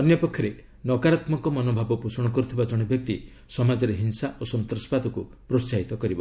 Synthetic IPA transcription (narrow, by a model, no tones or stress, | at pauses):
ɔnjɔpɔkʰːjɔɾe | nɔkaɾat̪mɔŋkɔmɔnobʱabɔpusɔɽ̃ɔkɔɾut̪ʰibad͡ʒɔɽ̃ɔbjɔk̚t̪i | sɔmad͡ʒɔɾeɦinsaʔosɔnt̪ɾɔspad̪ʱɔkupɾost͡ʃaɦit̪ɔkɔɾibɔ